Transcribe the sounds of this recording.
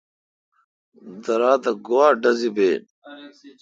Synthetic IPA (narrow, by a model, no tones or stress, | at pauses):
d̪ɐɾaːt̪ɐɡowaːɖɐzibeː